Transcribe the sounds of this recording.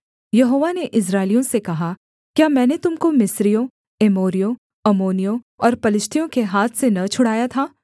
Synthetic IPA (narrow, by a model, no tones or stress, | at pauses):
jɐɦoːʋaneʔɪs̬ɾaːɪlijõsekɐɦa | kjaːmɛ̃ːnet̪ʊmkomɪsɾijõ | emoːɾijõ | ɐmoːnijõ | ɔːɾpɐlɪʃt̪ʰijõkeɦaːt̪ʰsenɐt͡ʃʰʊɽ̤aːjat̪ʰaː